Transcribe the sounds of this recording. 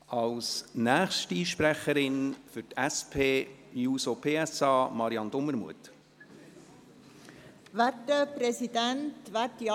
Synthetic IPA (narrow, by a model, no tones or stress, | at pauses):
ɑlsnæːχʃtiːʃpɾæχəɾɪnfʏɾtæspʰeːjuːsopʰeːɛsɑːmɑɾiɑnd̥ʊməɾmṵət | vætːəprɛsidæntvætj